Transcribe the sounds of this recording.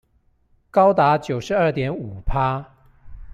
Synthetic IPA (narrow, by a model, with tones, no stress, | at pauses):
kɑ˥ʊt̪a˨˧˥t͡ɕjo˨˩ʊʂɻ̩˧˥ə˞˥˩t̪jɛ˨˧˥nu˨˩pʰa˦